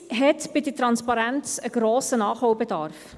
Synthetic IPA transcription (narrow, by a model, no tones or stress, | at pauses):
ɦɛtb̥iditrɑnspɑɾænsəɡ̥roːsənɑːχhɔwbədɑrf